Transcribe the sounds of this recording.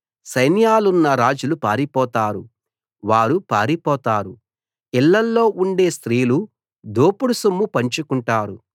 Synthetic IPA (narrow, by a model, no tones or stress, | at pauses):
sɐjnjaːlunːɐɾaːd͡ʒulupaːɾipɔːt̪aːɾu | ʋaːɾupa̰ːɾipɔːt̪aːɾu | ilːɐlːo̞ːʔuɳɖe̞ːst̪ɾiːlu | d̪oːpuɽusumːupɐɲt͡ʃukuɳʈaːɾu